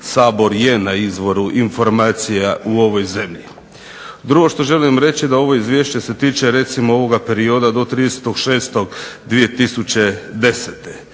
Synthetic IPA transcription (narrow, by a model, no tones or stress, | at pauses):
saːbo̞ɾje̞naizʋo̞ɾuʔinfo̞ɾmaːt̪sijauo̞ʋo̞jze̞mʎḭ | d̪ɾuɡo̞ʃt̪o̞ʒe̞limɾe̞t͡ɕid̪ao̞ʋo̞izʋʲjeʃt͡ɕe̞se̞t̪iːt͡ʃe̞ɾe̞t̪simooʋo̞ɡape̞ɾio̞d̪ad̪o̞t̪ɾiːd̪ese̥t̪oɡʃe̞ːst̪o̞ɡd̪ʋije̞t̪isut͡ɕe̞d̪e̞set̪e